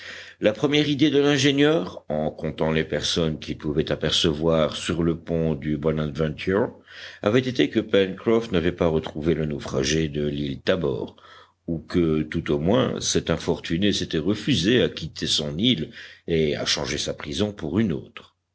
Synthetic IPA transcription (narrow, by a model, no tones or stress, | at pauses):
lapχəmjɛʁid̪ed̪əlɛ̃ʒenjœːʁɑ̃kɔ̃t̪ɑ̃lepɛʁsɔnkʲipuvɛt̪apɛʁsəvwaʁsyʁləpɔ̃d̪ybɔnad̪vɛ̃t̪ʰyʁa̰vɛt̪et̪ekəpɛnkχɔfnavɛpaʁət̪χuvelənofχa̰ʒed̪əlilt̪abɔ̰ːʁ | ukət̪ut̪omwɛ̰̃sɛt̪ɛ̃fɔʁt̪yneset̪ɛʁəfyzeakʲit̪ʰesɔ̃nilea̰ʃɑ̃ʒesapχizɔ̃puʁyno̰t̪χ